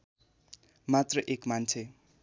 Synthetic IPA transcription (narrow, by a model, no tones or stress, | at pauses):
mat̪rʌʔekmant͡sʰe